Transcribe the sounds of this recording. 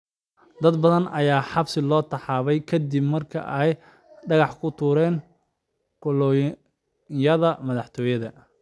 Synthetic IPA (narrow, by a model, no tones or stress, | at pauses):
d̪ɐd̪bɐðɐnɐjaːħɑbsɪlɔːt̪ʰɐħɑːβɛjkʰɐd̪ibmɐrkʰɐ̰ʔɛj | ɖɐɣɑħkʰʊt̪ʰuːɾɛːŋ | kʊlɔ | jɐðɐmɐðɑħt̪ʰɔːjɐðɐ